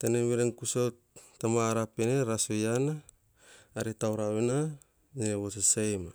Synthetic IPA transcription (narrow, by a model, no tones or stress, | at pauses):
teneβiɾenkusot | tamaɾapeneɾasojanaː | ɾitawɾaβena | niɾeβosesejma